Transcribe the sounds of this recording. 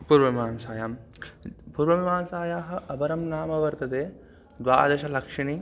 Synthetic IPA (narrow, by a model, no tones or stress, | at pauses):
puːɾʋɐʋimaːnsaːjaːm | puːɾʋɐʋimaːnsaːjaːɦɐ̆ʔɐbɐɾɐmnaːmɐʋɐɾt̪ɐt̪eː | d̪ʋa̰ːd̪ɐʃɐlɐkʂɐɳi